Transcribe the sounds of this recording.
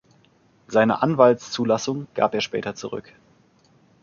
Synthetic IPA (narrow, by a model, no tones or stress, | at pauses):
z̥aɪnə̰ʔanvaltst͡suːlasʊŋɡ̥a̰ːpeːɐʃpɛ̰ːtɐt͡suʁʏ̰k